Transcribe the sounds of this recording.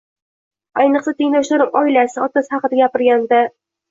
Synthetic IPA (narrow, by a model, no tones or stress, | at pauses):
ajnɨqsat̪ʰɪŋlawʃlaɾɪmɒɪlasɪɒt̪asɪhɑqɨd̪aɡʲapɪɾɡʲand̪a